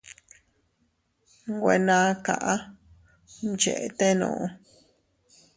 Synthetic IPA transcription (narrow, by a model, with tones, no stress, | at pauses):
ŋɡʷe˧˨nã˧ka˨ʔa˦ | nt͡ʃḛ˨ʔe˧˨t̪e˦nõ̰ː˨ʔõ˧